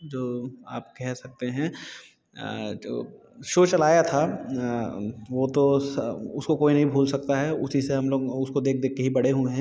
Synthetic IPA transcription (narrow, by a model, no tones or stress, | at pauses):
d͡ʒoːa̰ːpkɛɦsɐk̚t̪eɦɛ̃ː | o̰ː | ʃoːt͡ʃɐlaːjat̪ʰa | ʋot̪osʊskokoːinɐɦĩbʱuːlsɐk̚t̪aɦɛʊsiseɦɐmloːɡʊskod̪eːk̚ʰd̪eːkkeɦibɐɽ̤eɦuẽɦɛ̃